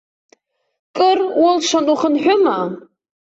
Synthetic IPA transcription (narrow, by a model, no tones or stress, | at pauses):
kʼɨrwʊlʂʷanuχənħʷᶣʊma